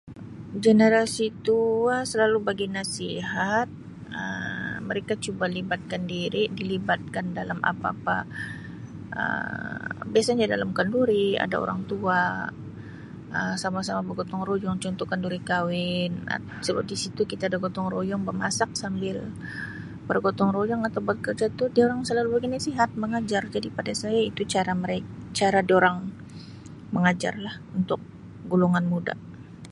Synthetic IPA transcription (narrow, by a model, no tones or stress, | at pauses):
ɡenəɾasit̪uasəlalubaɡinasiɦat̪̚ | əmməɾekat͡ʃubalibat̪̚kandiɾidilibat̪̚kandalamʔa̰pa̰pa̰ | ʔə̰ | biasaɲadalamkanduɾia̰da̰o̰ɾa̰ŋt̪ua | əsamasamabəɡɔt̪ɔŋɾojɔŋt͡ʃɔnt̪ɔkanduɾikawɪna̰ | səbəp̚t̪isit̪ukit̪aːdaɡot̪ɔŋrojɔŋbəmasak̚sambɪl | bərɡot̪ɔŋrojɔŋat̪awbat̪̚kərd͡ʒat̪udioɾaŋsəlalubɡinasiɦat̪̚məŋad͡ʒard͡ʒadipadasajait̪ut͡ʃaɾaməɾekt͡ʃaɾadioɾaŋ | məŋad͡ʒa̰rlahunt̪ʊk̚ | ɡulɔŋanmuda̰